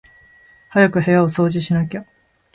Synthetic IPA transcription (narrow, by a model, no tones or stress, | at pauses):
hajakɯ̟he̞jao̞so̞ːʑiɕinakʲa